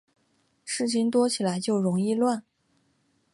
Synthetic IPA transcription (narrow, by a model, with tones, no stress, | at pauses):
ʂɻ̩˥˩t͡ɕʰi˥˩ŋt̪wɔ˥t͡ɕʰi˨˩la˧˥ɪt͡ɕjo˥˩ʊɻʊ˧˥ŋi˥˧lwa˥˩n